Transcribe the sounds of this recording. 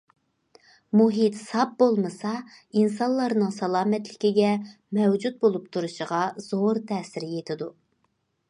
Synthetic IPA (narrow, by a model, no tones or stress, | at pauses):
muɦit̪sɑp̚bolˠmɨsɑ | insɑnlˠːɑɾnɨŋsɑlˠɑːmɛt̪lɪkʲiɡʲɛ | mɛwd͡ʒut̪̚bolˠup̚t̪ʰuɾuʃəʁɑz̥oɾt̪ʰɛːsɪɾɪjet̪ʰɪd̪u